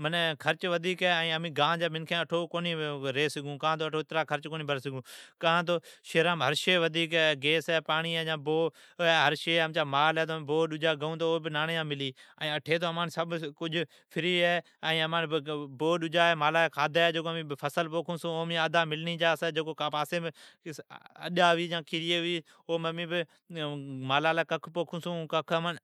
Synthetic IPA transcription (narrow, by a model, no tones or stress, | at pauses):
mənkʰəɾt͡ʃʋəd̪ʱiːkɛːɛ̃ːəmĩːɡãːd͡ʒaːmɪnkʰẽːəʈʰoːkoːniːɾeːsɪɡũːkãːt̪oːʈʰoːɪt̪ɾaːkʰəɾt͡ʃkoːniːbʱəɾsɪɡũːkãːt̪̬oːʃeːɾaːmɦəɾʃeːʋəd̪ʱiːkɛːɡeːsɛːpaːɳiːɛːãːboː | ɛːɦəɾʃeːəmt͡ʃaːmaːlɛːt̪oːm̃ːboːɗʊd͡ʒaːɡəũːt̪oːoːbɪnaːnejãːmɪliːɛ̃ːəʈʰeːt̪̬oːəmaːnsəbkʊd͡ʒ | pʰɪɾiːɦɛː | ɛ̃ːəmaːnboːɗʊd͡ʒaːeːmaːlaːkʰaːd̪aːɛːd͡ʒoːkomĩːpʰəsəlpoːkʰũːsũːoːmĩːad̪aːmɪlniːd͡ʒaːsɛːd͡ʒoːkoːkaːpaːsẽː | ə̰ɗaːʋiːjãːkʰiːɾjeːʊiː | oːməmĩːbɪ | maːlaːlaːkəkʰpoːkʰũːsũːkəkʰman